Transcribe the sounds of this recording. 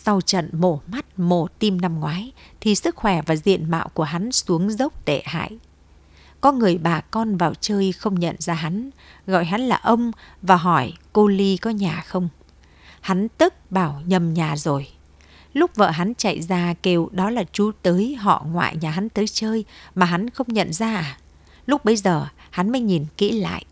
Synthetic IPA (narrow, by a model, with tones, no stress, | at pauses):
sa˧wt͡ɕə̰˧˨nmo˧˩ma˦˥t̚mo˧˩t̪i˧mna˧mŋwaː˨˦jt̪ʰi˨˩sɨ˦˥k̚xwɛ˧˩vaː˨˩zḭ˧˨ənma̰ː˧˨wku˧˩əɦa˨˦nsu˨˦əŋzə˦˥wk͡p̚t̪ḛ˧˨ha̰ː˧˨jʔ | kɔ˨˦ŋɨ˨˩əjɓaː˨˩kɔ˧nvaː˨˩wt͡ɕəː˧jxə˧wŋ͡mɲə̰˧˨nzaː˧ɦa˨˦nɣɔ̰˧˨jɦa˨˦nlaː˨˩ʔə˧wŋ͡mvaː˨˩ɦɔ˧˩jko˧li˧kɔ˨˦ɲaː˨˩xə˧wŋ͡m | ha˨˦nt̪ɨ˦˥k̚ɓaː˧˩wɲə˨˩mɲaː˨˩zo˨˩j | lʊ˦˥k͡p̚və̰ː˧˨ɦa˨˦nt͡ɕa̰˧˨jzaː˧˩ke˧˩wɗɔ˨˦laː˨˩t͡ɕu˨˦t̪əː˨˦jɦɔ̰˧˨ŋwa̰ː˧˨jɲaː˨˩ɦa˨˦nt̪əː˨˦jt͡ɕəː˧jmaː˨˩ɦa˨˦nxə˧wŋ͡mɲə̰˧˨nzaː˧ʔaː˨˩ | lʊ˦˥k͡p̚ɓə˧jzəː˨˩ha˨˦nməː˨˦jɲi˨˩nkḭ˧˥la̰ː˧˨jʔ